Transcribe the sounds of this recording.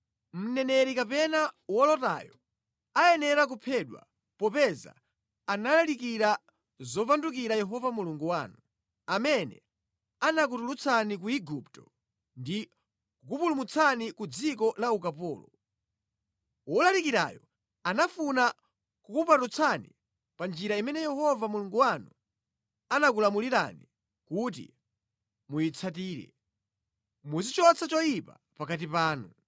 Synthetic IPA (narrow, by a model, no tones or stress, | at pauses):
m̩nɛnɛɾikapɛnawɔlɔta̰jɔ | ajɛnɛɾak̬upʰɛɗwa̰ | pɔpɛza̰ | analalikiɾa | zɔpanduk̬iɾajɛɦɔvamuluŋɡuwaːnu | amɛnɛ̰ | anak̬utulut͡sʰanik̬uiɡuptɔ | ndi | kukupulumut͡sʰanikud͡zik̬ɔlaukapɔ̰ːlɔ | ɔlalikiɾa̰jɔ | anafuna | kukupatut͡sʰanḭ | pand͡ʒiɾaimɛnɛjɛhɔvamuluŋɡuwanu | anak̬ulamuliɾa̰ni | kut̬ḭ | mujit͡sʰat̬iːɾɛ̰ | musit͡ʃɔt͡sʰat͡ʃɔjipa̰ | pakat̬ipaːnu